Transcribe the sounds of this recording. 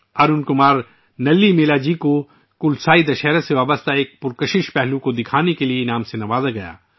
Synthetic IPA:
ɐɾʊnkʊmaːɾ | nɐlːimeːlaːd͡ʒiko | kʊlsaːid̪ɐʃɛːɾaseʋaːbəst̪aeːk̚pʊɾkɐʃɪʃpɛɦlũkod̪ɪkʰaːnekelienaːmsenɐʋaːzaɡɐja̰ː

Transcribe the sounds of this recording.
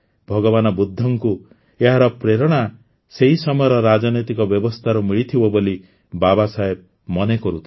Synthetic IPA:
bʱɔɡɔbanɔbud̪ʱːɔŋku | eɦaɾɔpɾeɾɔɽ̃a | seɦisɔmɔjɔɾɔɾad͡ʒɔnɔjt̪ikɔbjɔbɔst̪ʰaɾɔmiɭit̪ʰibɔboli | babasaɦeb̚ | mɔnekɔɾut̪ʰi

